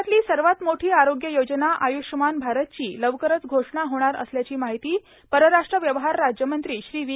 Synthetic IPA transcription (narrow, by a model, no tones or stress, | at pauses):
t̪liːsəɾʋat̪moʈʰiːaɾoɡjəjod͡ʑnaʔajuʂəmanbʱaɾət̪̚t͡ɕiːləʋkəɾət͡sɡʱoʂɳaɦoɽ̃aɾə̰sljat͡ɕiːmaɦit̪iː | pəɾəɾaʂʈɾəʋjəʋɦaɾːad͡ʑjəmənt̪ɾiːɕɾiːʋi